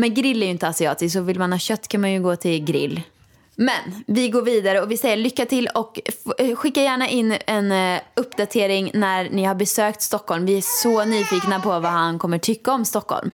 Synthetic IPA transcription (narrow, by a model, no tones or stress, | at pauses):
mɛnɡɾɪlːɛɾjɵɪnt̪əasɪɑ̰ːt̪ɪsksɔvɪlmanhɑːɕœt̪ːkʰanmanjɵɡoːt̪ʰɪlɡɾɪ̰lː | mɛnvɪɡoːɾviːd̪aɾəɔvɪsɛjːəɭʏkːat̪ʰɪlɔkɧɪkːajæːɳaʔɪnːɛnɵpːd̪at̪ʰeːɾɪŋnæɾnɪhaɾbɛsøːk̚t̪st̪ɔkːɔlmvɪæsɔnyːfiːknapʰɔvahankʰɔmːəʈʰʏkːaɔmst̪ɔkːɔ̰lm